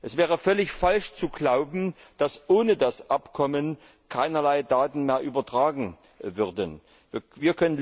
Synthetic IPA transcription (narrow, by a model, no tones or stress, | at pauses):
ʔɛsv̥ɛːʁ̞əfœlɪçfalʃt͡suɡlaʊbm̩d̥asʔoːnədasʔapkʰɔmən | kʰaɪnɐlaɪdaːtn̩meːɐʔyːbɐtʁ̥aːɡŋ̩ | vʏɐdən | vviːɐkʰœnən